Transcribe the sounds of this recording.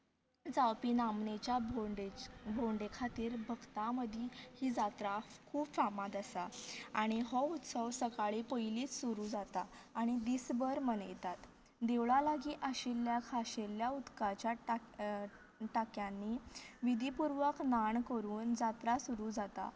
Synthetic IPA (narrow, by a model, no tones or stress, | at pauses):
d͡zawpiːnamnet͡ɕjabʱoɳɖed͡ʑbʱoɳɖekʰat̪iːɾbʱəɡt̪ãməd̪ʱihiːd͡zat̪ɾakʰuːbfamad̪əsaaɽ̃iɦɔut̪səʋsəkaɭipəjliːt͡ssuɾuːd͡zat̪a | aːɽ̃id̪isbəɾmənə̰jt̪at̪ | d̪eʋɭalaɡiːʔəɕilːjakʰaɕeljaut̪kat͡ɕja | ʈakjãnːiːʋid̪ʱipuɾʋəknaɳkəɾuːnd͡zat̪ɾasuɾuːd͡zat̪a̰